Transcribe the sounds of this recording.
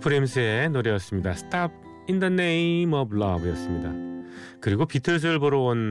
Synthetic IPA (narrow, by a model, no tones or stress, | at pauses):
pʰɯɾemsʰɯenoɾejʌs͈ɯmɲidasʰɯ̥tʰap̚ʰ | indʌnːeimʌbɭʌbjʌs͈ɯmɲida̰ | kɯɾiɡopitʰɯɭs̬ɯɯɭpoɾoon